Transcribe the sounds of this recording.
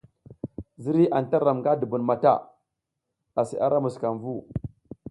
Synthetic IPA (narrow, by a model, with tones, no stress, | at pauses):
zi˦ɾi˦ʔa˨nta˦ɾa˨mŋɡa˦du˨bu˨nma˨ta̰˦˨ | a˨si˨ʔa˦ɾa˦mu˨ska˨nvu˦˨